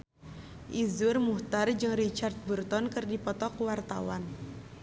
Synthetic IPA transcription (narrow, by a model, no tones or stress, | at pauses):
ʔizurmuht̪ard͡ʒɨŋrit͡ʃart̪̚burt̪ɔnkɨrdipɔt̪ɔkwart̪a̰wa̰n